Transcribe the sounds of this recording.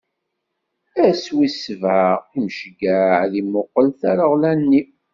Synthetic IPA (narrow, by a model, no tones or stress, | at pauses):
æswisəvʕaʁimʃɡæʕðimʊqːəlθaɾəʁlænːi